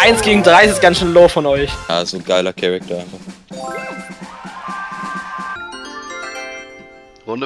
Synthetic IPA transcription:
ʔaɪnsɡ̥eːɡŋ̩dʁaɪɪsɪsɡ̥ansʃøːnloːfɔnɔʏçja̰ːzoːɡaɪlɐkʰɛʁɛk̚tʰɐaɪnfaχ

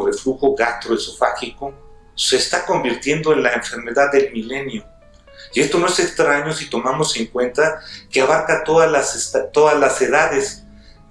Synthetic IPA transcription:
βefluxo̞ɣast̪ɾoesofaxiko̞ | se̞ːst̪ako̞mbiɾt̪je̞nd̪o̞enlaeɱfe̞ɾme̞ðaðːe̞lmile̞njo̞ | ie̞st̪o̞no̞e̞sekst̪ɾaɲo̞sit̪o̞mamo̞se̞ŋkwe̞nt̪akeaβ̞aɾkat̪oðalasest̪at̪o̞ðazlase̞ðaðe̞s

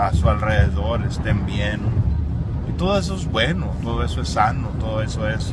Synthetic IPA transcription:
asualreðeðoɾest̪embjeno | it̪o̞ðoe̞s̬oezβwenot̪o̞ðoesoesːanot̪oðoe̞soes

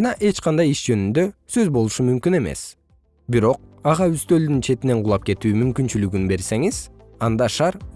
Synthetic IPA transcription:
ɑnɑʔe̞t͡ʃqʰɑnd̪ɑjiʃd͡ʒø̞nynd̪ø̞sø̞zbo̞lˠuʃumymkyne̞me̞̰s | biɾo̞q̚ɑʁɑyst̪ø̞ld̪ynt͡ʃʰe̞t̪ine̞ɴqʰʊlˠɑp̚ke̞t̪yːmymkynt͡ʃylyɡynbe̞ɾse̞ŋiz | ɑnd̪ɑʃɑɾ

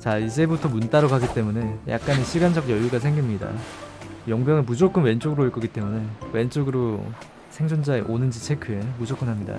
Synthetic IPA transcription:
t͡ɕaid͡ʑe̞butʰʌmunt͈aɾokaɡit͈e̞mune̞ja̰k̚k͈aneɕʰiɡand͡ʑʌɡjʌjuɡas̬ʰe̞ŋɡimɲida̰ | jʌŋbjʌŋɯɭmud͡ʑok͈ɯnwe̞nt͡ɕ͈oɡɯɾoiɭk͈ʌɡit͈e̞mune̞we̞nt͡ɕ͈oɡɯɾo | sʰeŋd͡ʑʰond͡ʑaeʔonɯnd͡ʑit͡ɕʰe̞kʰɯe̞mud͡ʑok͈ɯnɦamɲida̰

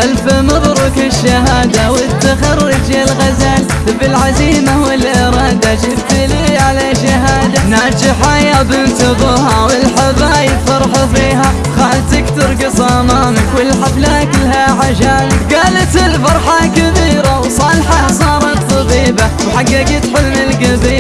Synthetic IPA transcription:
ʔalfɪmɑðˤɾˤʊkɪʃːaɦaːd̪awɪt̪ːaxɑrːɪd͡ʒɪlɣazaːl | bɪlʕaziːmawɪlʔɪɾˤɑːd̪aʃɪbt̪liːʕalaʃaɦaːd̪anaːd͡ʒɪħajabɪnt̪ɨðˤɑːhawɪlħabaːjɪd̪fɑɾˤħafiːɦa | ɣaːlt̪ɪkt̪ʊɾˤɡɪsˤɑmaːmɪkwɪlħaflaːkɪlhaʕaʒaːlɡaːlat̪ɪlfɑɾˤħɑkɪbiːɾawsˤɑːlħɑsˤɑːɾˤɑt̪ˤːɑbiːbawħaɡːakɪt̪ħɪlmɪlɡabiː

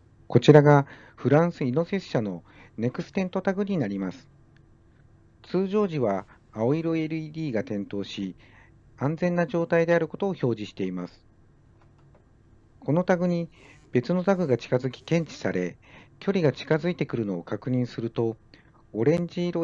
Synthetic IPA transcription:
ko̞t͡ɕiɾaɡa | ɸɯ̟ɾãɰ̃sɨinose̞sɕano̞ | ne̞kɯ̟sɨ̥t̪ẽ̞nt̪o̞t̪aɡɯ̟ɲ̟inaɾʲimasɨ̥ | t͡sɨːʑo̞ːʑiβaː | o̞iɾoeɾɯ̟iːd̪ʲiːɡat̪ẽ̞nt̪o̞ːɕi | ãnd͡zẽ̞nːaʑo̞ːt̪aid̪e̞aɾɯ̟ko̞t̪o̞ːço̞ːʑiɕi̥t̪e̞imasɨ̥ | kʰo̞no̞t̪aɡɯ̟ɲ̟ib̥e̞t͡sɨno̞t̪aɡɯ̟ɡat͡ɕi̥kazɨkʲi̥kẽ̞ɲ̟t͡ɕi̥saɾe̞̰kʲo̞ɾʲiɡat͡ɕi̥kazɨit̪e̞kɯ̟ɾɯ̟no̞ːkakɯ̟ɲ̟ĩɰ̃sɨɾɯ̟t̪o̞ː | ɾẽ̞ɲ̟d͡ʑiːɾo

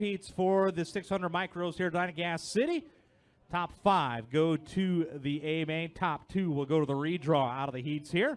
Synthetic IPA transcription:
itsfə˞ðɨsɪkshʌ̃ndɹəd̚maɪkɹoʊz̥hiɹdãɪ̃ñɡæsɪɾi | tʰɑpfaɪvɡoʊɾɨðieɪmẽɪ̃ntʰɑp̚tʰʉwilˠɡoʊɾəðəɹidɹɔaʊɾʌvðɨhitshiɹ

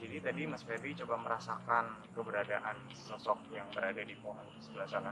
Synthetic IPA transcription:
d͡ʒadit̪adimasfɛɾit͡ʃobaməɾasakankəbəɾadaʔanssɔsɔk̚jaŋbəɾadadipoɦanəsəbəlahsana

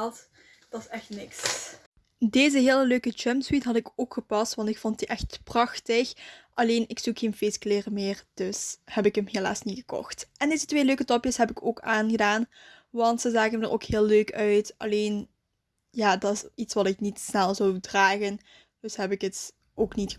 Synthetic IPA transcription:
lˠt | d̥ɑsɛxtnɪks | deːzəɦeːləløːkət͡ʃɛmswitɦɑtɪkoːkxəpɑstʋɑntɪkfɔntdiʔɛxtprɑxtəxʔɑleːnɪksuxeːnfeːskleːrəmeːrd̥ɵshɛpɪkəmɦela̰ːsnitɣəkɔ̰xtʔɛndeːzətʋeːløːkətɔpjəsɦɛpɪkoːkaːnɣədaːn | ʋɑntsəzaːɣəmədərʔo̰ːkhɪːlˠløːkʰœɥtɑ̰leːn | jaːdɑtɪsitsʋɑtɪknitsnɛlˠzɔwdraːɣən | d̥ɵsɦɛpɪkət | ʔoːknit

